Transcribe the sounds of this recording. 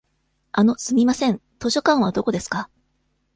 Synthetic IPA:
ano̞sɨmʲimasẽ̞nt̪o̞ɕo̞kãɰ̃β̞ad̪o̞ko̞d̪e̞sɨ̥ka

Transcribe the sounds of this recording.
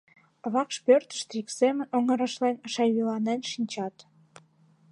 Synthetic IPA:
βɑkʃpørt̪ə̥ʃt̪ɾiksemə̆nʲoŋə̆ɾɑʃlenəʃɑjβilɑnenʃinʲt͡ɕɑt̪

